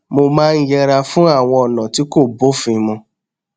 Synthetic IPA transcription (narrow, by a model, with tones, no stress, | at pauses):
mo˧mãː˦˧n̩˦jɛ˧ɾa˧fũ˦a˦˨w̃ɔ̃˧ɔ˨nã˨ti˨˦ko˦˨bo˦fĩ˧mɔ̃˧